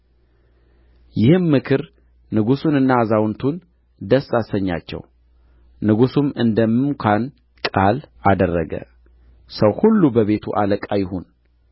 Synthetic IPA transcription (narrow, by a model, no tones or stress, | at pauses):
jɪhɨmːɨkʰɨɾ | nɨɡusunɨnːazawnt̪ʰun | d̪əsːasəɲːa̰t͡ʃːɛ̰w | nɨɡusumɨnd̪əmːɨmkʷʰan | kʼalad̪ərːəɡə̰ | səwhulːubəβe̞t̪ʰṵʔaləkʼajɪhun